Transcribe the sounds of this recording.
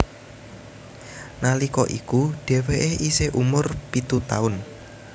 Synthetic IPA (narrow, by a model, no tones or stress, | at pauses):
nalikɔʔikuɖ̥e̤weʔeiseʔumʊrpit̪ut̪aʊn